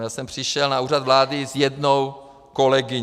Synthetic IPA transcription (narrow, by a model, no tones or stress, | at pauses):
jaːsɛmpr̝̥ɪʃɛlnauːrad̪vlaːdɪzjɛdnow | kolɛɡɪɲ